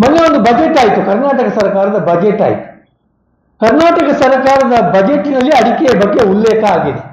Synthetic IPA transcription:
mɐnːeond̪ubɐd͡ʒeʈːaːjit̪ukɐɾnaːʈɐkɐsɐɾɐkaːɾɐd̪ɐbɐd͡ʒeʈːa̰ːjit̪u̥ | kɐɾnaːʈɐkɐsɐɾɐkaːɾɐd̪ɐbɐd͡ʒeʈːinɐlːiɐɽikɛjɐbɐɡːe̞ulːeːkɐaːɡeːd̪e

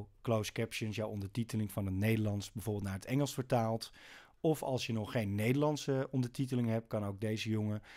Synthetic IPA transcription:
klowskɛpʃənsjawɔndəɹtitəlɪŋvɑnətnejdəɹlɑnsbəvʊːɹbɪlˠtnaːɹətɛŋəlˠsfəɹtaːlˠt | ɔfɑ̰lˠsjənɔχejnːejdəɹlɑnsəɔndəɹtitəlɪŋɦɛp̚kɑnowɡ̚dejzəjʊŋə

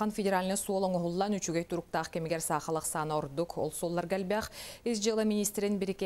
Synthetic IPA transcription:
ɑnfʲɪdʲɪɾalʲnɯsuolˠoŋoɦulˠːɑnyt͡ʃyɡejt̪ʰuɾuk̚t̪ɑːqkʲemiɡeɾsɑːqɑlˠɯqsɑnoɾd̪uko̰lˠsulˠːɑɾɡælʲbaχizd͡ʒɯlˠɯmʲinʲist̪ɾinbiɾike

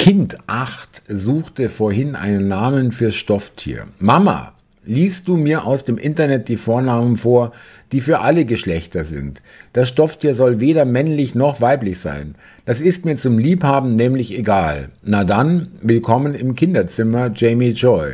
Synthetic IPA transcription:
kʰɪntʔaxtzuːxtəfoːɐhɪnʔa̰ɪnənːaːmənfyːɐʃtɔftʰḭːɐmama̰ | liːst̚d̥uːmiːɐʔaʊsd̥eːmʔɪntɐnɛt̚d̥iːfoːɐnaːmənfoːɐ | d̥iːfyːɐʔaləɡəʃlɛçtɐzɪ̰nt | d̥asʃtɔftʰiːɐzɔlveːɾɐmɛnlɪçnɔχv̥aɪplɪçz̥a̰ɪn | d̥asɪstmiːɐt͡sʊmliːphaːbm̩nɛːmlɪçeɡaːlnaːdanvɪlkʰɔmənɪmkʰɪndɐt͡sɪmɐd͡ʒɛɪmid͡ʒɔʏ

